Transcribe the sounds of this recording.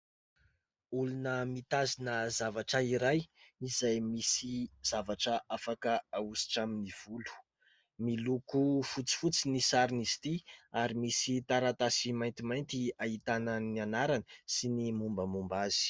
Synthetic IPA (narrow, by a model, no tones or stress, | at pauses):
ulunəmit̪azinəzavaʈ͡ʂəiɾajizajmisiz̥avaʈ͡ʂəʔafakəausi̥ʈ͡ʂaminiv̥ulu̥ | milukufut͡si̥fut͡sinisaɾinizi̥t̪iaɾimisit̪aɾat̪asimajnt̪imajnt̪iaɦit̪anənianaɾanəsinimumbəmumbazi̥